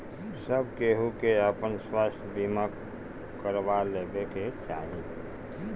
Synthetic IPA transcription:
səbkeɦukeəpənswast̪ʰbimak | kːəɾbalebeket͡ʃaːɦĩ

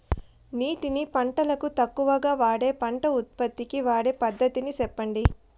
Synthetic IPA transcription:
niːʈinipɐɳʈɐlɐkut̪ɐkːuʋɐɡaːʋaːɽe̞ːpɐɳʈɐut̪̚pɐt̪ːikiʋaːɽe̞ːpɐd̪ʱːɐt̪inisɛpːɐɳɖi

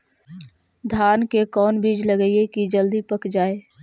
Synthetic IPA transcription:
d̪ʱaːnkekɔːnbiːd͡ʒləɡəiekid͡ʒəld̪ipəkd͡ʒaːeː

